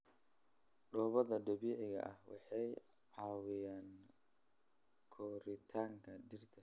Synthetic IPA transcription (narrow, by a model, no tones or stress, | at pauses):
ɖɔːβɐðɐd̪ɐβiːʕɪɣɐ̰ʔɐhwɑ̰ħɑj | ʕɑːwɪjaːn | kʰɔːɾɪt̪ʰaːŋkʰɐɖɪrt̪ʰɐ